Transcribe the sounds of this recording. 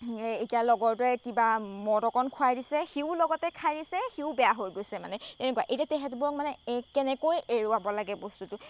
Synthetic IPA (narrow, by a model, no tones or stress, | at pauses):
etijalɔɡɔɹtuɛkibamɔdɔkɔnkʰʊajdisɛxiʊlɔɡɔtɛkʰajɹisɛxiʊbɛjaɦojɡojsɛma̰nɛtɛnɛkuaʔejtatɛɦɛtubɔɹɔk̚manɛkɛnɛkojeɹuabɔlaɡɛbɔstutʊ